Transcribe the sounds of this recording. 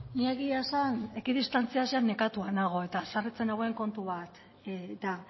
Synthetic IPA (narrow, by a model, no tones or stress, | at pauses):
nieɣiasane̞kiðist̪ant͡siasianːe̞kat̪uanaɣ̞o̞e̞t̪asarit͡se̞naɣoeŋko̞nt̪uβ̞at̪ | et̪a